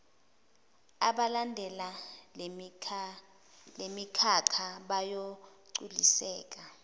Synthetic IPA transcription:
aɓalandʱɛla | lemikʰakʰaɓajoǀulisɛːk̬a

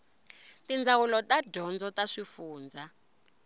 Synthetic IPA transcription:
tind͡zawulɔtaɟɔnd͡zɔtaʂifuːnd͡za

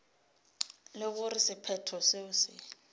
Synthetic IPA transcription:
lɪɣʊrɪsɪpʰɛtʰɔseʊsɪ

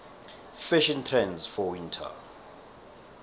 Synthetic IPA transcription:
fɛʃɔ̃ntʰrɛ̃nzfɔwĩntʰa̰

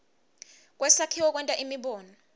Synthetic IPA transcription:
k̬ʼwɛsakʰiwɔk̬ʼwɛntʼaʔimiɓɔːnɔ

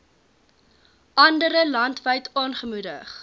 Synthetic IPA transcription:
ʔɐndəɾəlɐntvəɥtɑːnχəmudə̰χ

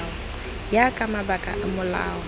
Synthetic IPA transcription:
ɔ | jakʼamabakʼa̰ʔamʊla̰ːɔ

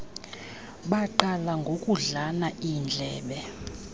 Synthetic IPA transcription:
ɓaǃalaŋɡʱokʼuɮanaind͡ɮʱɛːɓɛ

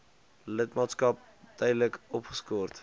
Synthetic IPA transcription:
lətmɑːtskɐp̚ | dœjdələkɔpχə̥skɔːrt

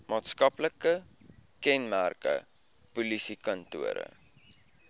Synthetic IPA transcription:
mɑːtskɐpləkə | kɛnmærkə̰ | pulisikɐntuəɾə̰

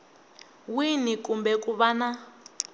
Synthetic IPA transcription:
winikumbɛkuβana

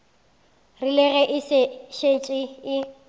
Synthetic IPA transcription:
rilɛɣɛʔɪsɪʃent͡ʃʼɪɪ

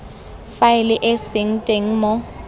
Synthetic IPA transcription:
faɪlɪʔesɪŋ̩tʼeŋ̩mɔ

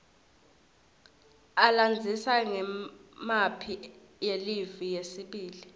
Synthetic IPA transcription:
aland͡zʱisaŋɛmapʰi | jelivijesiɓiːli

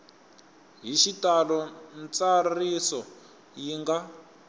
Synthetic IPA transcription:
ɦiʃitalɔnt͡sarisɔ | jiŋɡa

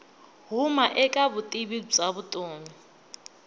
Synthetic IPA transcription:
ɦumaʔɛkʼaβutʼibib͡ʐaβʊtʼoːŋi

